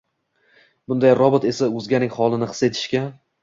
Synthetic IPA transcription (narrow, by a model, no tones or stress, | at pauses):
bʊnd̪ajɾɒbɪt̪e̞saʊzɡʲanɪŋχɒlˠɪnɪχɨ̥se̞t̪ʰɪ̥ʃkʲan